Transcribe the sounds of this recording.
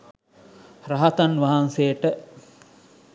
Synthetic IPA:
raɦat̪anʋaɦansejəʈə

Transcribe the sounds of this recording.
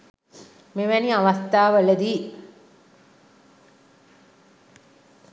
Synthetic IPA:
meʋæniaʋast̪aːʋələd̪iː

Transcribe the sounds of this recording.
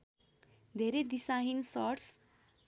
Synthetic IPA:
d̪ʱeɾed̪isaɦinsɔɾʈs

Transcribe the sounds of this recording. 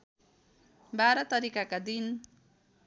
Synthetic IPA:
baɾʌt̪ʌɾikakad̪in

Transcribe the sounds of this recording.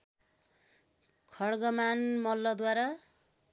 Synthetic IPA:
kʰʌɽɡʌmanmʌlːʌd̪waɾa

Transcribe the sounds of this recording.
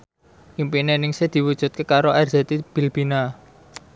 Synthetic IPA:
ʔimpinenɪŋsed̪̥i̤wud̥ʒ̥ṳt̪̚kekaɾoʔɛrdz̥e̤t̪ib̥i̤lb̥i̤na

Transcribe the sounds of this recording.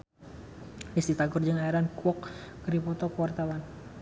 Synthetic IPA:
disd̪it̪aɡʊrd͡ʒɨŋaiɾankuɔk̚kəɾipɔt̪ɔkəwart̪awan

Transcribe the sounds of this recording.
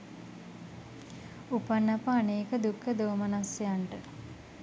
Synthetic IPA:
upanːɐpaːneːkəd̪ukʰːəd̪oːmənasejaɳʈə

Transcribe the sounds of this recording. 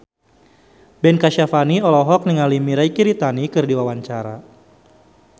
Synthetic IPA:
bɛnkaʃafaniɔlɔɦɔk̚niŋalimiɾaikiɾit̪anikɨrdiwawaɲt͡ʃaɾa̰

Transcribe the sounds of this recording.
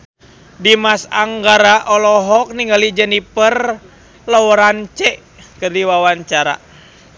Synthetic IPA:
dimasa̰ŋɡaɾaʔɔlɔɦɔk̚niŋɡalid͡ʒɛnipər | lɔɔɾant͡ʃɛ | kɨrdiwawaɲt͡ʃaɾa̰

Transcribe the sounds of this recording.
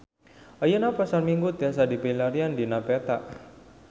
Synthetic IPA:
ʔajənapasarmiŋɡut̪asadipilaɾiandinapet̪a̰ʔ

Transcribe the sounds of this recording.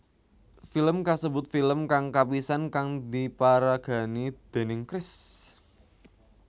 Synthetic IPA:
filəmkasəbʊt̪̚filəmkaŋkapisankaŋd̪ipaɾaɡ̥a̤nid̪̥e̤nɪŋkɾɪs

